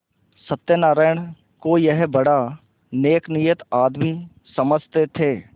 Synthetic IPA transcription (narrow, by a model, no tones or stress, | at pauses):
sət̪ːjənaːɾəːɳ̃ | kojəɦbəɽa | neːknijət̪aːd̪mi | səməd͡ʒʱt̪et̪ʰeː